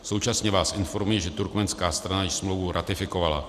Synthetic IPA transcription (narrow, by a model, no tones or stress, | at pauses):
so̞wt͡ʃasɲɛvaːsʔɪnfo̞ɾmujɛʒɛt̪uɾkmɛnskaːst̪ɾanajɪʃsmlowvuɾʔat̪ɪfɪko̞vala